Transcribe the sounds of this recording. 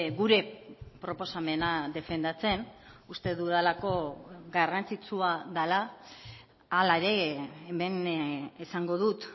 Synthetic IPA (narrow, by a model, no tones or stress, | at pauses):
ɡuɾe̞pɾo̞po̞same̞naðe̞fe̞nd̪at͡se̞nust̪e̞ðuðalako̞ɡarant͡sit͡suaðala | alaeɾe̞ːme̞nesaŋɡo̞ðut̪